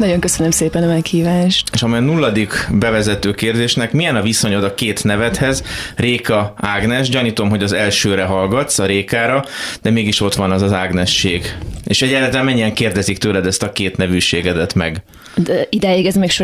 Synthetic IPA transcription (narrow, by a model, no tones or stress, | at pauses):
nɒɟo̞ŋkøsønømseːpɛnɒmɛkhiːvaːʃt̪eːʃɒmijɒnulːɒd̪ikbɛvɛzɛt̪øːkeːrd̪eːʃnɛkmijɛnɒviso̞ɲo̞d̪ɒkeːt̪nɛvɛt̪hɛzreːkɒaːɡnɛʃɟɒniːt̪o̞mɦo̞ɟɒzɛlʃøːɾɛɦɒlɡɒt̪sɒɾeːkaːɾɒd̪̥ɛmeːɡiʃo̞t̪ʋɒnɒzɒzaːɡnɛʃːeːɡeːʃɛɟaːt̪amɛɲːiɛŋkeːrd̪ɛzikt̪øːlɛd̪ɛst̪ɒkeːt̪nɛvyʃeːɡɛd̪ɛt̪mɛ̰ɡ | d̪ɛid̪ɛjeɡɛzmɛkʃo